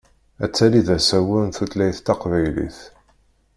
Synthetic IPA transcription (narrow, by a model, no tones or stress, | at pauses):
æt͡sːæliðæsæwʊnθut̪læjθt̪ːɑqvæjlḭθ